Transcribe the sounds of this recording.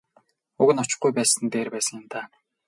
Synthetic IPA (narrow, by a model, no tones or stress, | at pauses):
ʊɣɘ̆nɔt͡ɕɪ̆χujpæːsə̆nt̪eːrpæːsə̆ŋjɪ̆mt̪ʰaː